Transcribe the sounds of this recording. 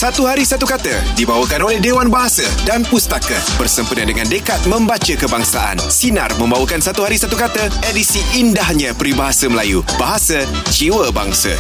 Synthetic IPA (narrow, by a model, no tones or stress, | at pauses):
sat̪uɦaɾisat̪ukat̪ədibawəkanolɛhdewanbaɦasadanpust̪akabərsəmpənadəŋãndəkat̪̚mə̃mbat͡ʃəkəbaŋsaʔa̰nsina̰rmə̃mbawəkansat̪uɦaɾisat̪ukat̪əedisiːndahɲãpɾibaɦasaməlajubaɦasa | t͡ʃiwəba̰ŋsa̰